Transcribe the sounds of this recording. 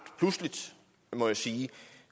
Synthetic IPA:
d̥pʰluslid̥ | mɒ̽jasiː

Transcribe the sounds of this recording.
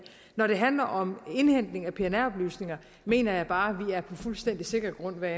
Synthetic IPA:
nɒɾ̥e̝ɦænlɐʔɒ̽me̝nhen̰d̥le̝ŋæpʰe̝enæɒ̽b̥ly̰ːsne̝ŋɐ | me̝̰ːnɐjɑ̈ɪb̥ɑ̈ːʋiæɐpʰɒ̽fulsd̥en̰d̥ise̝ɡ̥ɐɡ̥ʁɔ̽n̰ʋæ

